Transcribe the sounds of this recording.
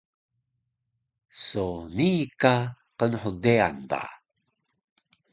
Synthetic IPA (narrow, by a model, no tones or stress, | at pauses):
sonika | qənħudea̰nba̰